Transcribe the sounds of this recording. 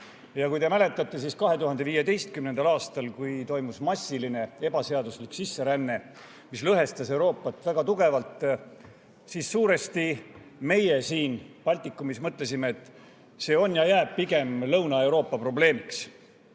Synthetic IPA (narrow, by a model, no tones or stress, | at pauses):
jɑkujt̪e̞mæle̞t̪ːˑɑt̪ːˑe̞s̬iskɑɦe̞t̪uɦɑnd̪̥e̞viːjed̪e̞jst̪kymnend̪ɑlɑːst̪ɑlkujt̪o̞jmusmɑsːiline̞e̞bɑse̞ɑd̪usliksisːe̞ɾænːe̞ | mislɤɦe̞st̪ɑse̞wɾo̞ːpːˑɑt̪ːˑvæɡ̥ɑt̪uɡ̥e̞vɑlt̪ˑ | siːsːuːɾe̞st̪i | me̞jesiːnpɑlʲt̪ikːˑumismɤt̪le̞simeːt̪ːˑ | se̞ːo̞njɑjæːb̥̚piɡe̞mlɤwnɑe̞wɾo̞ːpːˑɑpro̞ble̞ːmiks